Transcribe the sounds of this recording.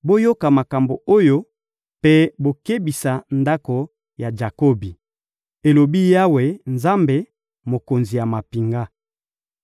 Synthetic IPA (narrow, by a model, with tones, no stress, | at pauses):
bo˦jo˦ka˨ma˨ka˨mbo˨o˦jo˦ | pe˦bo˦ke˦bi˨sa˨nda˦ko˨ | ja˨d͡ʒa˨ko˦bi˨ | e˨lo˨bi˦ja˦we˨nza˦mbe˨ | mo˨ko˨nzi˨ja˨ma˨pi˨ŋɡa˦